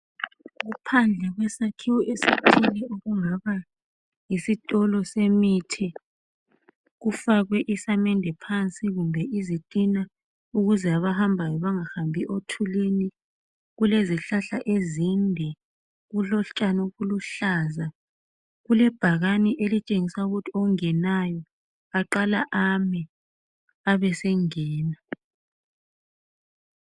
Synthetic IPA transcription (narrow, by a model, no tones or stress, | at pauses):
ɣupʰand͡ɮʱɛɣwɛsakʰiwɔʔesitʰilɛoɣuŋaβa | isitʼɔlɔsemitʰi | ɣufaɣwɛʔisamɛndʱɛpʰant͡sʼiɣumbʱɛʔizitʼina | uɣuzɛaβahambʱajɔβaŋahambʱiʔotʰulini | ɣuleziɬaɬaʔezindʱɛ | ɣuɬɔɬt͡ʃʼanɔɣuluɬaːza | ɣulɛb̥ʱaɣaniʔelit͡ʃʼeŋisauɣutʰiɔŋɛnajɔ | aǃalaʔamɛ | aβɛsɛŋɛːna